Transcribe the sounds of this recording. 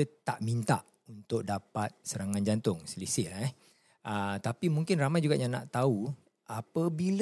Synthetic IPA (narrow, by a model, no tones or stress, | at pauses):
ət̪aʔmint̪a̰ʔ | unt̪ʊk̚dapat̪̚səɾaŋãnd͡ʒant̪ʊŋsəlisɪʔlɛ | ət̪apimũŋkɪnramajd͡ʒuɡaʔɲãna̰ʔt̪au | ʔapəbil